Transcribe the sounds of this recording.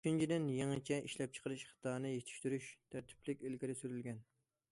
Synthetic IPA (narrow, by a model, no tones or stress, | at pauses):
yt͡ʃint͡ʃʰid̪ɪnjeŋɨt͡ʃʰɛʔiʃlɛp̚t͡ʃʰə̥qəɾɨʃχə̥t̪ʰɑːnɨjet̪ʰy̥ʃt̪yɾyʃt̪ʰæɾt̪ʰɪ̥plɪkʲilɡʲiɾɪsyɾylɡʲɛn